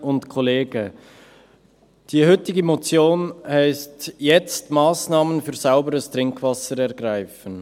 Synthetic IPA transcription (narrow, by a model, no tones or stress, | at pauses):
ʊntkʰoleːɡ̥ə | d̥iːɦʏtɪɡəmot͡sjoːnhaɪstjɛt͡stmaːsnɑːmənfyːɾz̥aʊbəɾəstʁɪŋkʰv̥ɑsəɾɛʁɡɾaɪfən̩